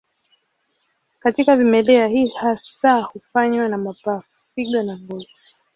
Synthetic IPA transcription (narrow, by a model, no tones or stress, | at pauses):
katikavimɛlɛahihasahufaɲwanamapafu̥fiɠɔnaŋɡɔvu